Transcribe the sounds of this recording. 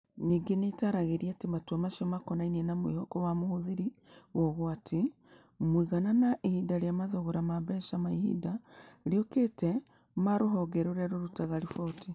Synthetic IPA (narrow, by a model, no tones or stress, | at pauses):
niːɡenetaɾaɣeɾiatematuamaʃiɔmakɔnainiɛnamwḭhɔkɔwamohoðiɾiwɔɣoatʰi | mwiɣananaʔehidaɾjamaðoɣoɾamaβɛʃamaihḭdaɾiɔketɛ | maɾoɦɔɡɛɾoɾɛɾoɾutaɣaɾifɔtʰi